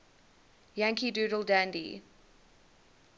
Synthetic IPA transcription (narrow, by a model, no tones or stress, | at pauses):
jãŋkʰiduːɾəlˠdãndḭ